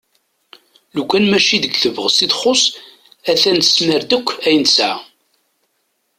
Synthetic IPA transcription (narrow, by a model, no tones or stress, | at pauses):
lukʷːænmæʃiðəɡθəvəʁsid̪χʊs | æθænə̥sməɾd̪əkʷːæjənsʕa